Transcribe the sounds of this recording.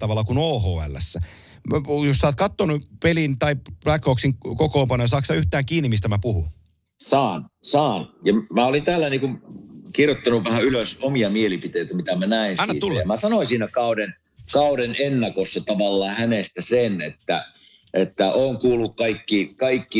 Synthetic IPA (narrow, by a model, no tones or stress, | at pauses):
t̪ɑʋɑlːɑkunoːɦoːæ̰lːæ̰sːæ | jossɑːt̪kɑt̪ːonupelint̪ɑilækːˑoːksiŋkokoːmpɑnːojɑsɑːksɑyht̪æːŋkiːnːimist̪æmæpuhṵ | sɑːnsɑːnjɑmæolint̪æːlːæniːkunkirjot̪ːɑnuʋʋæhæyløsomiɑmielipit̪eˑit̪æmit̪æmænæˑinɑinɑt̪ulːemæsɑnoisiːnækɑˑuden | kɑˑuɾenenːɑkosːɑt̪ɑʋɑlːɑːhænest̪æsenet̪ːæ̰ | ʔet̪ːæʔoːŋkuːlːukkɑikːikɑikːi